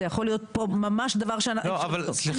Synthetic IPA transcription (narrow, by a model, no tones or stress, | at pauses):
ejaχo̞lijo̞t̪̚pomamaʃd̪avaʁʃeanloavalsli